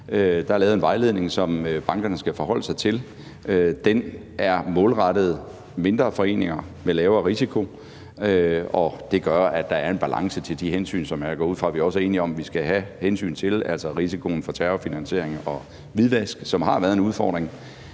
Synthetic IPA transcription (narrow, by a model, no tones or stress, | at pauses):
ød̥ɑ̈æɐlɛːʊð̩ˠenʋɑ̈ɪle̝ðˠne̝ŋsɒ̽møb̥ɑ̈ŋɡ̥ɐnəsɡ̥æfɒ̽ɦɒ̽l̰əsɑ̈ɪt͡sʰe̝l | ød̥en | ʔæɐmɔ̽ːlʁɑɾ̥əð̞̩ˠ | me̝nd̥ʁɐːfɒ̽e̝̰ːne̝ŋɐ | melɛːʊɐʁisikʰo̝ | øɒ̽d̥e̝ɡ̥ɶɐæd̥ɑ̈æɐe̝nb̥ælʔɑ̈ŋsət͡sʰe̝ld̥iɦensy̰ːnsɒ̽mæɡ̥ɒ̰ːuð̰fʁɑ̈ʋiɒ̽səe̝ːniɒ̽mʋisɡ̥æɦæhensy̰ːnt͡sʰe̝læl̰sɐʁisikʰo̝n̩fɒ̽t͡sʰæɐofinænse̝̰ɐ̰eŋɒ̽ | ʋiðˠʋæsɡ̥sɒ̽mɦɑ̈ʋæːɐðˠe̝nuð̞ˠfɒ̰ːd̥ʁeŋ